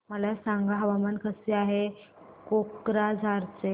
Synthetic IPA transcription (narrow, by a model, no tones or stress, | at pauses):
məlasaŋɡaɦəʋamankʰəseaɦekokɾad͡zʱaɾt͡se